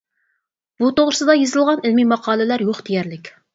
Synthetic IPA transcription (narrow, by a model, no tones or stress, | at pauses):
b̥ut̪oʁɾɨsɨd̪ɑjezɨlˠʁɑnɪlmimɑqʰɑːlˠɪlæɾjoχd̪ejɛɾlɪkʲ